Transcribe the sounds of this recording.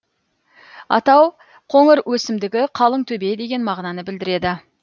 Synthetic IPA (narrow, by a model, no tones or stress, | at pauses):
ɑ̰t̪ɑw | qʰoŋəɾwʔɵsɪmd̪ɪɡʲɪqʰɑlˠəɴt̪ʰɵbe̞d̪e̞ɡʲe̞nmɑʁnɑnəbɪld̪ɪɾe̞d̪ɪ